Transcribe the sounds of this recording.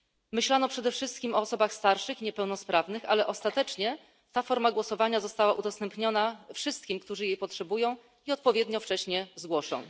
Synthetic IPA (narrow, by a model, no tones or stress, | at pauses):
mɘɕlanɔpʂɛd̪ɛfʂɘst̪kʲimɔːsɔbaxst̪aɾʂɘxɲɛpɛwnɔspɾavnɘxa̰lɛʔɔst̪at̪ɛt͡ʂɲɛ | t̪afɔɾmaɡwɔsɔvaɲazɔst̪awaʔud̪ɔst̪ɛmpɲɔnafʂɘst̪̚kʲimkt̪uʐɘjejpɔtʂɛbujɔ̃w̃ | iɔt̪̚pɔvʲjɛd̪ɲɔft͡ʂɛɕɲɛzɡwɔʂɔ̰̃w̃